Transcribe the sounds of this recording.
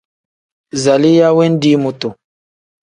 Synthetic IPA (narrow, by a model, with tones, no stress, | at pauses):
za˨li˦ja˦we˦n˦di˦mu˨tu˨